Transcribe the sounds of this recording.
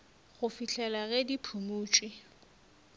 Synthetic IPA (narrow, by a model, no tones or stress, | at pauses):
ɣʊfiɬʰɛlaɣɛdipʰumuːt͡ʃʼwi